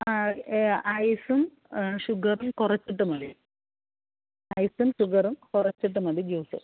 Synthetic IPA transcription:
a | ɐjsum | ʂuɡɐrumkurɐt͡ɕːiʈːumɐði | ɐjsumɕuɡɐrumkurɐt͡ɕːiʈ̬ːumɐðid͡ʑuːsɐ̰

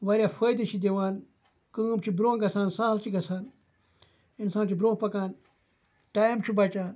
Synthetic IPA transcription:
ʋɐɾʲjaːfəjd̪ɐt͡ʃʰid̪eʋaːn | kəːmt͡ʃʰibɾõːɡɐsʰaːnsaːɦlt͡ʃʰiɡɐsʰaːn | insãːnt͡ʃʰibɾõːpɐkãːn | ʈaːimt͡ʃʰibɐt͡ʃaːn

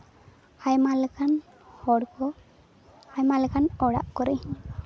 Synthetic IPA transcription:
hajmalkʰan | hɔɽkɔ | hajmaləkʰanɔɽa̰ʔkɔɾi

